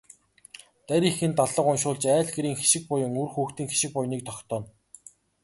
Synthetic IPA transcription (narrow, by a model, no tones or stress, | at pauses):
t̪æɾʲiːxɘ̆nt̪aɮə̆qʊnʃʊːɮt͡ɕæːɮɡeɾiːŋxe̥ʃɪ̆k̚pʊjə̆ŋurxuːxt̪iːŋxe̥ʃɪ̆k̚pʊjniːk̚t̪ʰɔkt̪ɔːn